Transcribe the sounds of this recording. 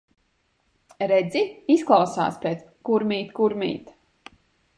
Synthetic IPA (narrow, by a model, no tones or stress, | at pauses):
ɾɛd̪ziisklˠawsa̰ːspʲeːt̪skuɾmiːt̪kuɾmʲḭːt̪